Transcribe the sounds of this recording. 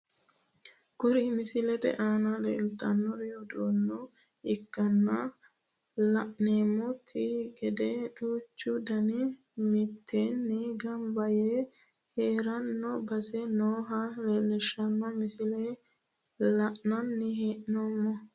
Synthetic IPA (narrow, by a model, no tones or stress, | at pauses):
ɡ̥ʊɾɪmɪsɪlɛt̪ɛ̰ʔaːnɐlɛlt̪ɐnːɔɾɛjɔd̪uːnːɔ | ɪkːɐnːɐ | lɐʔneːmːɔt̪ʰːɪɡɛd̪ɛᶑuːt͡ʃːʊd̪ɐnɪ | mɪt̪ʰːenːiɡɐmbɐje | heːɾɐnːɔbɐsɛnoːɦɐlɛlɛʃɐnːɐmɪsɪlɛ | lɐʔnɐnːɪɦeːʔnomːɔ